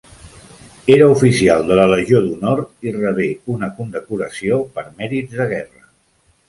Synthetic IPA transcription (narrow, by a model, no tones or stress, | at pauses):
eɾəufisialˠd̪ələləʒioðunɔɾt̪irəβeunəkund̪əkuɾəsiopəɾmɛɾid͡zðəɣ̞ɛrə